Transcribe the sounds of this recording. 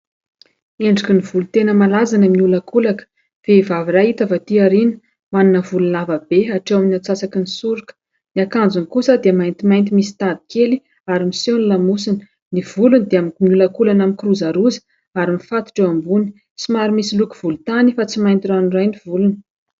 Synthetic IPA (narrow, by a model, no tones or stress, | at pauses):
eɳɖ͡ʐikinivulut̪enəmalazanəmiulakulakə̥ | v̥eivavirait̪əvat̪iaɾini̥ | manunəvulunavabeaʈ͡ʂewaminat͡sasakinisuɾukə̥ | niakand͡zunkusəd̪eəmajnt̪imajnt̪̬imisi̥t̪ad̪i̥keli | aɾimisonulamusinə̥ | niv̥ulunid̪eammiulakulanamikruzaɾuzə̥ | aɾimifat̪u̥ʈ͡ʂewambuni̥ | t͡simaɾimisilukuv̥ulut̪anifat͡simajnt̪iranirajniv̥ulunə̥